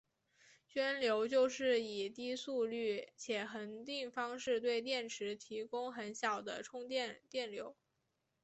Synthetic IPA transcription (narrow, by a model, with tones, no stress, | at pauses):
ɕɥɛ˥nljo˧˥ʊt͡ɕjo˥˧ʊʂɻ̩˥˩i˨˩t̪i˥su˥˧ly˥˩t͡ɕʰjɛ˨˩xə˧˥nt̪i˥˩ŋfɑ˥ŋʂɻ̩˥˧t̪we˥˧ɪt̪̬jɛ˥˩nʈ͡ʂʰɻ̩˧˥t̪ʰi˧˥kʊ˥ŋxə˧˥nɕjɑ˨˩ʊd̪ə̰˦ʈ͡ʂʰʊ˥ŋt̪jɛ˥˧nt̪jɛ˥˩nljo˧˥ʊ